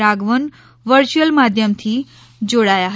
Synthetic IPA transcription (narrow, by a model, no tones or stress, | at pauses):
ɾaɡʋən | ʋəɾt͡ʃuəlmad̪ʱjəmt̪ʰi | d͡ʒoɽajaɦ